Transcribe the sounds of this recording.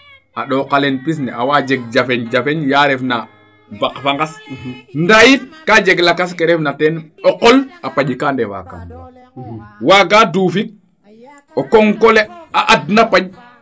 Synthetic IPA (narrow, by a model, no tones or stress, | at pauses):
ʔaɗɔkalɛnpis̬nɛʔawad͡ʒeɡ̚d͡ʒafɛɲd͡ʒafɛɲjaɾɛfna | bakfaŋɡasndajitkad͡ʒɛɡlakas̬kɛɾɛfnatɛnɔqɔlapaʄikandɛwa̰ka̰m | waɡaduːfik̚ | ɔkɔŋkɔlɛaʔadnapaɟ